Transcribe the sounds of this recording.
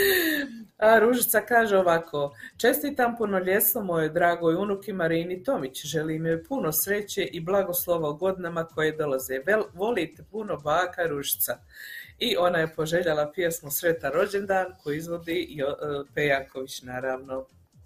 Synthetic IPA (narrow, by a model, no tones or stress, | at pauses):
aɾuʒit̪sakaːʒeoʋakʰo̞ːt͡ʃe̞st̪iːt̪ampunoʎe̞slomojed̪ɾaːɡojunukimaɾiːnit̪o̞mit͡ɕʒe̞limjojpunosɾe̞t͡ɕeʔiblˠaɡo̞slˠoʋoɡo̞d̪inamakʰo̞jed̪o̞lazeʋo̞lit̪epuno̞baːkaɾuʒi̥t̪sa | iʔo̞naje̞po̞ʒe̞ʎalapjesmosɾe̞t̪aɾo̞d͡ʑe̞nd̪aːnkoiizʋo̞d̪iopejako̞ʋit͡ɕnaːɾaːʋno̞